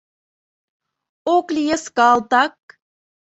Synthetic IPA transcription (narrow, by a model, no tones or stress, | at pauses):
oklʲijeskɑlt̪ɑk̚